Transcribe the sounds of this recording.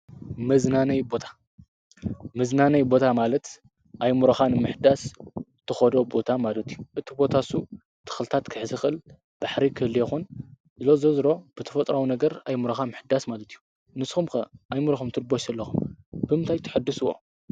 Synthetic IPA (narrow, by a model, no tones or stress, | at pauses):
mɐznanɐjbo̞t̪ʰḁ | mɐznanɐjbo̞t̪ʰamalɐt̪ | ʔajmuɾɐxanɨmɨħd̪ast̪ʰɨxɐd̪o̞bo̞t̪ʰamalɐt̪ʰijːuʔɨt̪ʰibo̞t̪ʰasu | t̪ʰɨ̥xlt̪ʰat̪kʰɨħzɨxɨl | b̥aħɾikʰɨhlːjɛxun | zɨlozɐzɾo̞b̥ɨt̪ʰɐfɐt̪ʼɾawunɐɡɐɾajmuɾɐxamɨħd̪asmalɐt̪ʰijːu | nɨsxumkɐʔajmɨɾɐxumt̪ʰɨɾboʃɐlːɐxumb̥ɨmɨnt̪ʰajt̪ʰɨħɨd̪ːɨsɨwo̰